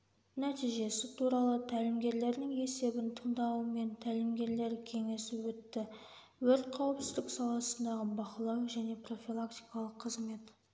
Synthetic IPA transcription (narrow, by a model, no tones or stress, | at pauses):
næt̪ijʒe̞sɪt̪ʰuɾɑlˠət̪ʰælɪmɡʲe̞ɾle̞ɾd̪ɪŋe̞se̞bɪnt̪ʰəɴd̪ɑwəme̞nt̪ʰælɪmɡʲe̞ɾle̞ɾkʲʰe̞ŋe̞sɪwɵt̪ːɪ | wɵɾt̪̚qʰɑwəpsɪzd̪ɪksɑlˠɑsənd̪ɑʁəbɑqlˠɑwʒæne̞pro̞fʲilˠakt̪ijkɑlˠəqʰːəzme̞t̪